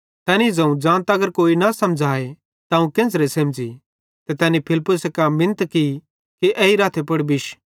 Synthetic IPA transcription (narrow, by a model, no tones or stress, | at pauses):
t̪ɛːnizɐ̃ũd͡ʒãːnt̪ɐɡəɾkoːinɐsɐmd͡ʒʱaːe | t̪aũkẽːs̬ɾesɐ̃ːmd͡ʒi | t̪ɛt̪ɛːnipʰɪlpːʊsekamːɪ̃nət̪ki | kiʔɛiɾaːt̪ʰepɐɽbɪʃ